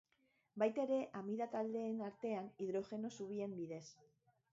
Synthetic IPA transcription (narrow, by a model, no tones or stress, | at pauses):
bajt̪aeɾe̞ʔamiðat̪ald̪e̞ːnaɾt̪e̞aniðɾo̞xe̞no̞suβ̞ie̞mbiðe̞s